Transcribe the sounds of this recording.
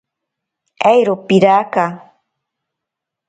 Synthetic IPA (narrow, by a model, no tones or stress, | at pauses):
ajɾopiɾaːka